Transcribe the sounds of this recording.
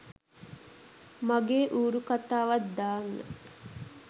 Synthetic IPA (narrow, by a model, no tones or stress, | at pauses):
maɡeːʔuːɾukat̪aːʋɐt̪d̪aːnːə̰